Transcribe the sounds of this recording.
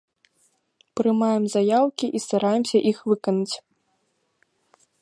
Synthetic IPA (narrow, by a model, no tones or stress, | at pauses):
pɾɨmajɛmzajawkʲiʔist̪aɾajɛmsʲɐʔixvɨkɐnut͡sʲ